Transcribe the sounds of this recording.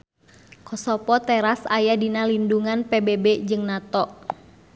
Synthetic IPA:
kɔsɔpɔt̪ɛɾasajadinalinduŋanpebebɛd͡ʒɨŋnat̪ɔʔ

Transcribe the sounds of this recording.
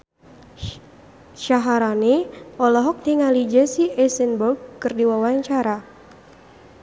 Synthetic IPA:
ʃaɦaɾaniɔlɔɦɔk̚t̪iŋalid͡ʒɛsiʔɛsənbɔɡ̚kɨrdiwawaɲt͡ʃaɾa

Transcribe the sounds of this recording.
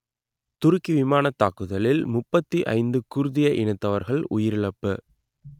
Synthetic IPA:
t̪ʊɾʊkːiʋɪmaːnɐt̪ːaːkɯðɐlɪlmʊpːɐt̪ːiʔɐ̰ɪnd̪ɯkʊɾʊðɪjɐʔɪnɯt̪ːɐʋɐɾɣɐɭʊ̰jɪɾɪɭɐpːɯ

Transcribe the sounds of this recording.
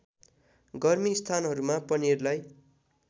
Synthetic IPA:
ɡʌrmist̪ʰanɦʌɾumapʌnirlaj

